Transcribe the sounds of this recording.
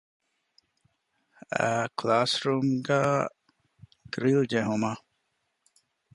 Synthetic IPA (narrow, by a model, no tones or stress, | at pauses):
a̰klaːsɾumɡa | ɡ̥ɾild͡ʒɛɦuma